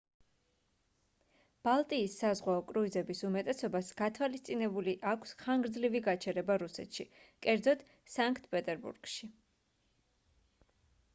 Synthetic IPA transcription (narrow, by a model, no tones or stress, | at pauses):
b̥alˠt̪ʼiːsːazʁwaɔkʼɾuizɛbisumɛt̪ʼɛsɔbasɡ̥at̪ʰwalist̪sʼinɛbuliʔakʷʰsχaŋɡɾd̪zliviɡat͡ʃʰɛɾɛbaɾusɛ̰t̪ʃikʼɛɾd̪zɔt̪ | saŋkʰʼt̪̚ʰpʼɛt̪ʼɛɾbṵɾɡ̥ʃi